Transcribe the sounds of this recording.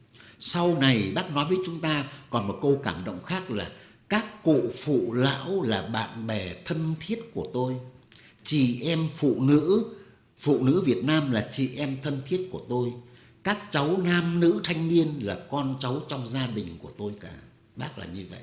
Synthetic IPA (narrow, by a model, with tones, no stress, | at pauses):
sa˧wna˨˩jɓaː˦˥k̚nɔ˨˦jvəː˨˦jt͡ɕʊ˨˦ŋ͡mt̪aː˧kɔ˨˩nmo˨˩t̚kə˧wkaː˧˩mɗo̰˧˨wŋ͡mxaː˦˥k̚laː˨˩ | kaː˦˥kːṵ˧˨fṵ˧˨la̰ː˧˥wlaː˨˩ɓa̰ː˧˨nɓɛ˨˩t̪ʰə˧nt̪ʰi˦˥ət̚ku˧˩ət̪o˧j | t͡ɕi˧˩ʔɛ˧mfṵ˧˨nɨ̰˧˥ | fṵ˧˨nɨ̰˧˥vi˨˩ət̚naː˧mlaː˨˩t͡ɕḭ˧˨ʔɛ˧mt̪ʰə˧nt̪ʰi˦˥ət̚ku˧˩ət̪o˧j | kaː˦˥k̚t͡ɕa˨˦wnaː˧mnɨ̰˧˥t̪ʰa˧jŋ̟ni˧ənlaː˨˩kɔ˧nt͡ɕa˨˦wt͡ɕɔ˧wŋ͡mzaː˧ɗï˨˩ŋ̟ku˧˩ət̪o˧jkaː˧˩ | ɓaː˦˥k̚la̰ː˨˩ɲɨ˧və̰˧˨ʔ